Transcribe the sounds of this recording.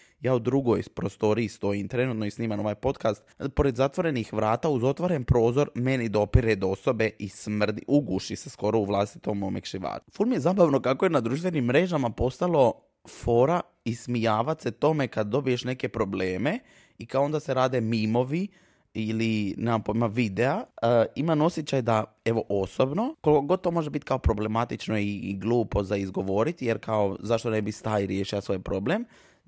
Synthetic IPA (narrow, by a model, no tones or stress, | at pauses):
jaːud̪ɾuɡo̞jpɾo̞st̪o̞ɾiːst̪o̞jimt̪ɾe̞nuːt̪noisniːmano̞ʋajpo̞t̪kast̪po̞ɾed̪zat̪ʋo̞ɾe̞nixʋɾaːt̪auzo̞t̪ʋoɾe̞npɾo̞ːzo̞ɾme̞nid̪o̞piɾed̪oso̞be̞ʔismr̩d̪iʔuɡuʃisesko̞ɾo̞uʋlˠast̪i̥t̪o̞momekʃiʋa̰ːfulmijezaːbaʋno̞kakoje̞nad̪ɾuʃt̪ʋe̞nimːɾe̞ʒamapo̞st̪alo̞ | fo̞ːɾa | ismijaːʋat̪se̞t̪o̞me̞kad̪̚d̪o̞bije̞ʃne̞ke̞pɾo̞ble̞ːme̞ | ikaoo̞nd̪ase̞ɾaːd̪e̞mimo̞ʋi | ilinapoimaʋid̪e̞aimano̞sjet͡ʃajd̪a | e̞ʋo̞ʔoso̞bno̞kolikoɡod̪̚t̪o̞mo̞ʒebit̪kao̞pɾo̞ble̞mat̪it͡ʃno̞iɡlˠuːpo̞zaizɡo̞ʋo̞ːɾit̪ijeɾkao̞zaʃt̪one̞bist̪aːjiɾjeːʃilasʋo̞jpɾo̞blem